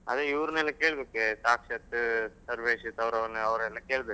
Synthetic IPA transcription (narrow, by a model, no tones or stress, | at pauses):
ɐ̰d̪eiʋɾunɛlːɐkeːɭbeːkesaːkʂɐt̪sɐɾʋeːʃit̪ɐʋɾɐʋɾneɐʋɐɾɛlːɐkeːɭbeː